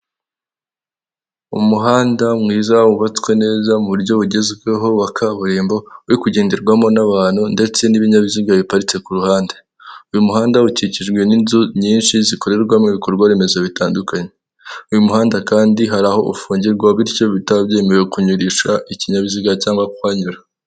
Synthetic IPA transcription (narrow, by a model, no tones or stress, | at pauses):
ṵmuɦaːndamŋiːzauβat͡swe̞ne̞ːzamuβuɾjo̞βuɟe̞ziɡeɦo̞wakʰaβuɾiːmbo̞uɾikuɟe̞ːndeɾɡwamo̞naβaːn̥hunde̞t͡se̞niβiɲaβiziɡaβipaɾit͡se̞kuɾuhaːnde | ujumuhaːndauciciʒɡwe̞ninzuɲiːnʃiziko̞ɾe̞ɾɡwamŋiβiko̞ɾɡwaβime̞zo̞βitaːndukaɲe | ujumuɦaːndakaːndiɦaɾaho̞ʔufuːɲɟiɾɡwaβiɾco̞βitabjeːmewekuɲuɾiʃaʔiciɲaβiziɡacaːŋɡwakwaːɲuɾa